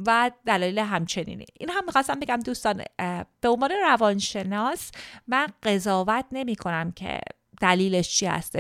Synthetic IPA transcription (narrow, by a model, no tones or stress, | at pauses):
væd̪̥ælɒːiːleɦæmt͡ʃʰe̞nḭːnḭʔinɦæmːixɒst̪æmbeɡæmd̪uːst̪ɒnb̥eo̞nvɒːneɾævɒnʃe̞nɒːsmænɢe̞zɒːvæt̪ʰne̞miːkʰo̞næmcʰḛ | d̪̥æliːleʃt͡ʃʰihæ̰st̪e